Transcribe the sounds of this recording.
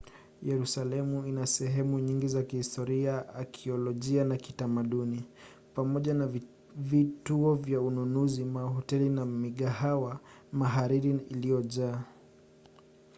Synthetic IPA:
jɛɾusalɛmuinasɛɦɛmuɲiŋɡizakihistɔɾiaakʰiɔlɔʄianakitamaɗuni | pamɔʄana | vituɔvjaununuzimaɦɔtɛlinamiɠahawa | maɦaɾiɾiilijɔʄaː

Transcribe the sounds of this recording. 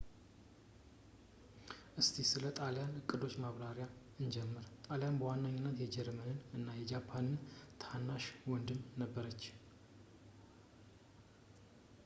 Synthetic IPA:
ʔɨst̪ʰisɨlət̪ʼaljanɨkʼːɨd̪o̞t͡ʃːmaβɾaɾja | ɨnd͡ʒɛmːəɾt̪ʼaljanbəwanːaɲːɪnːət̪jɛd͡ʒɛɾmənɨnɨnːajɛd͡ʒapʰːanɨnt̪ʰanːaʃwɔnd̪ɨmnəbːəɾət͡ʃː

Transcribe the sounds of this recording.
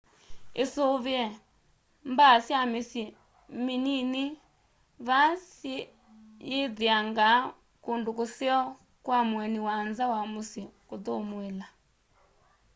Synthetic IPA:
esoβeɛ | mbasjamesje | minini | βasje | jeðeaŋɡa | kondokoseɔ | kwamwɛniwanzawamosekotomwela

